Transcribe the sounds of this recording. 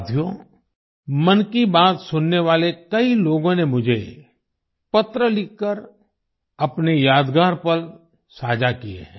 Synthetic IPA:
d̪ʱjõ | mɐnkibaːt̪sʊnːeʋaːlekɐiloːɡõnemʊd͡ʒʱe | pɐt̪ɾəlɪkːəɾ | ɐpnejaːd̪ɡaːɾpɐɾ | saːd͡ʒakiḛɦɛ̃

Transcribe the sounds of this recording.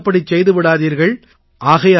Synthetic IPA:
pːɐɽit͡ʃːɛjðɯʋɪɽaːðiːɾɣɐɭ | ʔaːɣɐja

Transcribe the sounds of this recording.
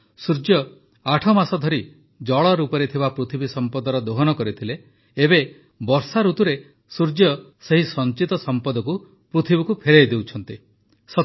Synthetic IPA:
suɾd͡ʒjɔ | aʈʰɔmasɔd̪ʱɔɾi | d͡ʒɔɭɔɾupɔɾet̪ʰibapɾut̪ʰibisɔmpɔd̪ɔɾɔd̪oɦɔnɔkɔɾit̪ʰileː | be | bɔɾsaɾut̪uɾe | suɾd͡ʒjɔ | seɦisɔnt͡ʃit̪ɔsɔmpɔd̪ɔku | pɾut̪ʰibikupʰeɾejd̪ewt͡ʃʰɔnt̪i | sɔ

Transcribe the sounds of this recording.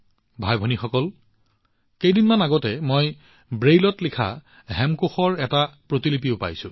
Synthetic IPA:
bʱajbʱɔnixɔkɔl | kejdinmanaɡɔtɛmoj | bɹejlɔtlikʰa̰ | ɦɛmkoxɔɹɛtapɹotilip̬iopa̰jsʊ̰̃

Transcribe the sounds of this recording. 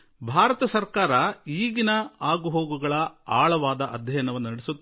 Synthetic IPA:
bʱaːɾɐt̪ɐsɐɾkaːɾɐiːɡinɐaːɡuɦoːɡuɡɐɭɐaːɭɐʋaːd̪ɐʔɐd̪ʱjɐjɐnɐʋɐnːnɐɽesut̪ː

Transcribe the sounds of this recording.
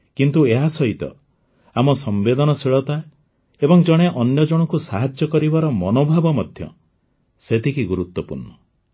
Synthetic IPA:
kint̪ueɦasɔɦit̪ɔ̰ | amɔsɔmbed̪ɔnɔsiɭɔt̪a | ebɔŋd͡ʒɔɽ̃eʔɔnjɔd͡ʒɔɽ̃ɔkusaɦad͡ʒjɔkɔɾibaɾɔmɔnobʱabɔmɔd̪ʱjɔ̰ | set̪ʰikiɡuɾut̪wɔpṵɾɳɔ

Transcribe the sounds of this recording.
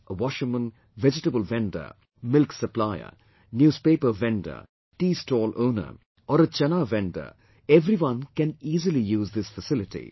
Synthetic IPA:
ʔəwɔʃɪ̃ŋmə̃n | ʋɛd͡ʒɪʈəbəlʋɛ̃ɳɖə̰ | mɪlksəplaɪə̰ | njuːzpeːpəʋɛ̃ɳɖə̰ | ʈiːsʈɔːlõːnə̰ɾ | ʔɔːɾət͡ʃɐnaʋɛ̃ɳɖə̰ɾ | ɛʋɾiʋʌ̃nkɛ̃niːzəlijuːzd̪ɪsfəsɪlɪʈḭ

